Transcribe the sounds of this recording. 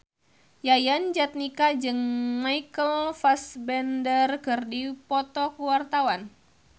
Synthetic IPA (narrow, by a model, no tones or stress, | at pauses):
jajand͡ʒat̪̚nikad͡ʒɨŋmajkəlfasbɛndərkɨrdipɔt̪ɔkuwart̪awan